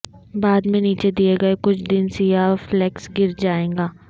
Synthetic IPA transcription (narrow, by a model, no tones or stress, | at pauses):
baːd̪mẽniːt͡ʃed̪ieɡɐekʊt͡ʃʰd̪ɪnsijaːflɛːksɡɪɾd͡ʒaːẽːɡaː